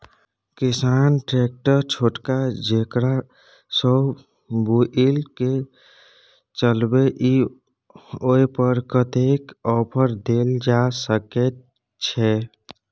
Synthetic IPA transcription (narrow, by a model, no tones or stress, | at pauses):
kisanʈɾek̚ʈəɾt͡ʃʰoʈkad͡ʒekɽa | sə | buʔilke | t͡ʃəlbeʔi | oipəɾkət̪ekɔpʰəɾd̪eld͡ʒasəkɛt̪ | t͡ʃʰɛ